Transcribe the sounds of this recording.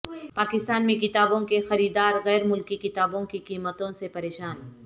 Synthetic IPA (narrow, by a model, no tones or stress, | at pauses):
paːkɪst̪aːnmẽkɪt̪aːbõkexɐɾiːd̪aːɾɣɛːɾmʊlkikɪt̪aːbõkikiːmət̪õsepɐɾeːʃaːn